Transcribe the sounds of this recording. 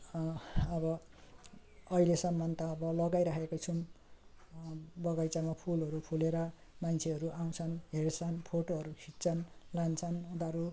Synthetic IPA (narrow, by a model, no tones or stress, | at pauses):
ʌβʌ | ʌilesʌmːʌnt̪ʌːbʌlʌɡajɾakekot͡sʰum | bʌɡajt͡samapʰulɦʌɾupʰuleɾʌmant͡sʰeɦʌɾuʔaw̃t͡sʰʌnɦert͡sʰʌnpʰoʈoɦʌɾukʰitt͡sʰʌnlant͡sʰʌnud̪aɾu